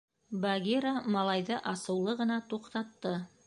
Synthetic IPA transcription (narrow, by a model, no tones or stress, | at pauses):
baɡʲeɾamɑlˠɑjd̪ɤʔɑsɤ̆wlˠɤʁɤ̆nɑt̪uqt̪ɑt̪ːɤ